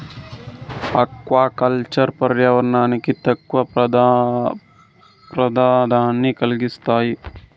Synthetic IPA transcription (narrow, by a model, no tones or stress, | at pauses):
ɐkʋaːkɐlt͡ʃɐɾpɐɾjɐʋɐɾnaːnikit̪ɐkʋɐ | pɾɐd̪ʱaːd̪ʱaːnːikɐlɡist̪aːji